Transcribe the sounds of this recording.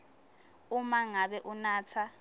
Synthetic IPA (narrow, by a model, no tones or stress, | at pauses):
umaŋaɓɛʔunaːt͡sʰa